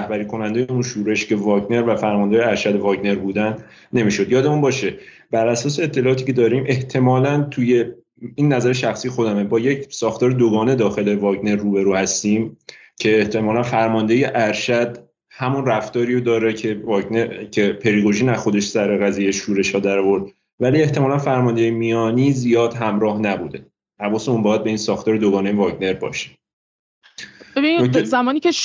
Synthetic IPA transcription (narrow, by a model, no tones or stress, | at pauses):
hbæɾiːkʰo̞nænd̪ejeunʃuːɾe̞ʃce̞vɒːɡne̞ɾvæfæɾmɒnd̪ejæɾʃæd̪evɒːɟne̞ɾbuːd̪æn | ne̞miːʃo̞d̪jɒːd̪emunbɒːʃe | b̥æɾʔæsɒːse̞ːt̪ʰːelɒːɒːt̪ʰiːkcʰe̞d̪ɒːɾiːmʔe̞ht̪ʰe̞mɒːlænt̪ʰuje̞ | iːnːæzæɾeʃæxsiːjexo̞d̪æmebɒːje̞cʰsɒːxt̪ɒːɾed̪oɡɒːne̞d̪ɒːxe̞le̞vɒːɡne̞ɾːuːbe̞ɾuːhæst̪iːm | cʰe̞ːht̪ʰe̞mɒːlænfæɾmɒnd̪e̞je̞ʔæɾʃæd̪ | hæmunræft̪ɒːɾiːɾod̪ɒːɾeevɒɡnecʰepʰe̞ɾiɡoʒiːnæzxo̞d̪e̞ʃsæɾeɣæziːjeʃuːɾe̞ʃhɒːd̪æɾɒvo̞ɾd̪̚ | væliːe̞ht̪ʰemɒːlænfæɾmɒnd̪ejemijɒːniːzijɒːd̪̥ɦæmɾɒːhnæbuːd̪e̞ | æbɒːsemunbɒːjæd̪̚be̞iːnsɒːxt̪ɒːɾed̪oɡɒːnejevɒɟne̞ɾbɒ̰ːʃe̥ | bebinizæmɒːniːce